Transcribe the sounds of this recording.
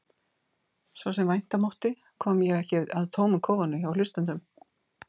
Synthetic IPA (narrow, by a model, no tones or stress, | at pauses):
svɔsɛmvajn̥t̪amɔwht̪ɪkʰɔːmjɛɣɛhcɪaðt̪ʰoːwmʏkʰɔːwvanʏçawlʏst̪ʏnt̪ʏm